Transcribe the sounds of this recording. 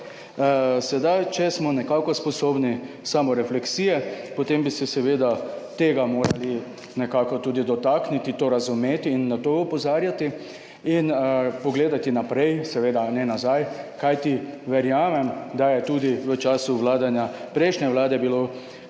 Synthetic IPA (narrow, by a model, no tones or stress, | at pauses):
sɛd̪ajt͡ʃɛsmɔnɛkaːkɔspɔsoːbni | saːmɔɾɛflɛksiːjɛpɔt̪embisɛsɛʋeːd̪at̪eːɡamoːɾali | nɛkaːkɔt̪uːd̪id̪ɔt̪aknit̪it̪oːɾazumeːt̪iːnːat̪oɔpɔzaːɾjat̪i | inpɔɡleːd̪at̪inapɾɛjsɛʋeːd̪anɛnazajkajt̪iʋɛɾjaːmɛmd̪ajɛt̪uːd̪iʋət͡ʃaːsuʋlaːd̪anjapɾɛjʃnʲɛʋlaːd̪ɛbilo